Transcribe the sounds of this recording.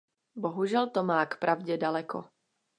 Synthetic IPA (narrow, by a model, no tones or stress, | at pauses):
boɦuʒɛlt̪omaːkpɾʔavɟɛdalɛkʰo̰